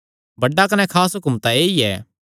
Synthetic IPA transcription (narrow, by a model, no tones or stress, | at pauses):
bɐɖːakɐnɛ̃kʰaːsɦʊkʊmt̪aeːiɛː